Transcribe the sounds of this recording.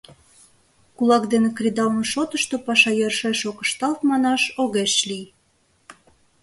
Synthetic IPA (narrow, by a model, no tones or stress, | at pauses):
kulɑkd̪enekrʲid̪ɑnʃot̪əʃt̪opɑʃɑjørʃeʃokə̥̆ʃt̪ɑlt̪mɑnɑʃoɣeʃlij